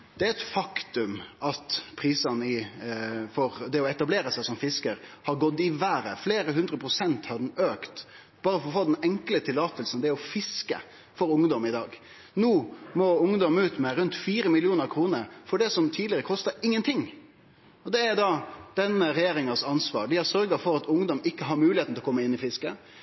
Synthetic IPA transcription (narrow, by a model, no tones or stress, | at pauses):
d̪̥ɛæɾɛt̪fɑkt̪ʉmʔɑt̪pʰɾiːsɑnəɪ | fɔɾd̪ɛɔɛt̪ɑbleːɾəsæɪsɔmfɪskəɾhɑɾɡɔd̪ɪʋæːɾə̰fleːɾəɦʉnd̪ɾəpʰɾʊsɛnt̪hɑd̪ɛnøːkt̪ | b̥ɑːɾəfɔɾɔfoːd̪ɛnɛŋklət̪ʰɪlːɑːt̪əlsənd̪ɛɔfɪskə̰ | fɔɾʊŋd̪ɔmɪd̪ɑːɡ | nuːmɔʊŋd̪ɔmʉːt̪mɛɾʉnt̪fiːɾəmɪlɪuːnəɾkʰɾuːnəɾfɔɖɛsɔmt̪ʰiːd̪lɪəɾəkʰɔst̪əɪŋːənt̪ʰɪŋː | ɔd̪ɛæɾd̪ɑd̪̥ɛnːəɾɛjeːɾɪŋəsɑnsʋɑ̰ːɾd̪ɪæɾsœɾɡəfɔɾɑt̪ʊŋd̪ɔmɪkːəɦɑɾmʉːlɪeːt̪nʰlɔkɔmːəɪnːɪfɪskə